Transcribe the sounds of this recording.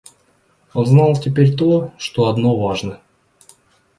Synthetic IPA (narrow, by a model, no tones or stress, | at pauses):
onznɑlˠtʲɪpʲeɾʲt̪oʂt̪oɐd̪no̞vaʐnə